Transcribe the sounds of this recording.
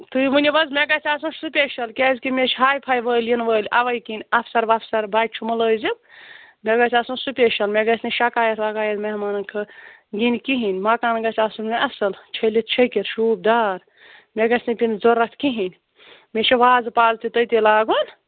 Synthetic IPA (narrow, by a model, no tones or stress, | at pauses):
t̪ɨmɨnʲibɐzmʲeɡɐt͡ʃaːsunsupʲeʃɐlkeːzkimʲet͡ʃʰɦaːjpʰajʋəːljinʋəːlʲʔɐʋɐjkinʲɐpʰsɐɾʋapʰsɐɾbaːt͡ʃʰumɐləːzibmʲeɡɐt͡ʃaːsũnsupʲeʃɐlmʲeɡɐsniʃɐkaːjɐt̪ʰʋakaːjɐt̪mɐɦmaːnɐnkʰɨ | ɡinkiɦinʲmakaːnɡɐt͡ʃaːsunmeʔɐsɐlt͡ʃʰɐlit̪̚ʰt͡ʃʰɐjkiɾʃuːb̚daːɾ | mʲeɡɐsʰnipʲind͡zoɾɐt̪ʰkiɦinʲ | met͡ʃʰiʋaːzpaːzt̪ʰit̪əjt̪elaːɡun